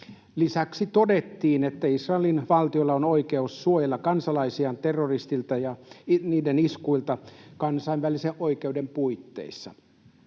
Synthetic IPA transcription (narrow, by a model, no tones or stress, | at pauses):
lisæksit̪ode̞t̪ːiːnet̪ːæisrɑelinʋɑlt̪iolːɑonoikeusːuojelːɑkɑnsɑlɑisiɑnt̪erːorist̪ilt̪ɑjɑniːdeniskuilt̪ɑkɑnsɑiʋʋæliseʔʔo̞ikeudempuit̪ːḛisːɑ̰